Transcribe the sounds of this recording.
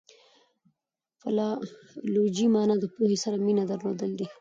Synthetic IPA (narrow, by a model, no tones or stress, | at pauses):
falɑlod͡ʒimɑnɑd̪əpohesaɾaminad̪aɾlod̪əld̪i